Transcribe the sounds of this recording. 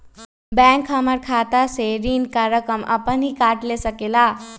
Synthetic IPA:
bɛŋkʰaməɾkʰat̪aseɾinkaɾjəkəmʌ̰pənɦikaʈlesəkela

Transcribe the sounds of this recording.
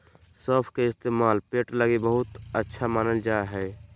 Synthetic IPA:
səpʰkeɪst̪eːmaːlpeʈləɡibəɦʊt̪ətːʃʰamaːnəld͡ʒaɦɛː

